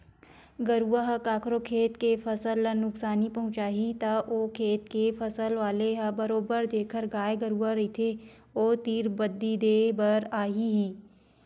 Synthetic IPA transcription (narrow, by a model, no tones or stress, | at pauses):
ɡɐɾuaɦkaːkʰɾokʰeːt̪kefʰɐsəlnʊksaːnipɐɦʊ̃t͡ʃaːɦit̪ɐʔoːkʰeːt̪kefʰɐsəlʋaːleɦbɐɾoːbəɾd̪eːkʰəɾɡaːeɡɐɾuaɾɐit̪ʰe | oːt̪iːɾbɐd̪ːid̪eːbɐɾaːɦiɦiː